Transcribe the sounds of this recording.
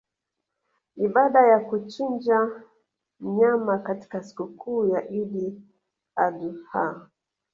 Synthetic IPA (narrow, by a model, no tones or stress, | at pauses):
iɓaɗajakut͡ʃind͡ʒa | m̩ɲamakati̥kasi̥kukuːjaʔiɗi | aɗuha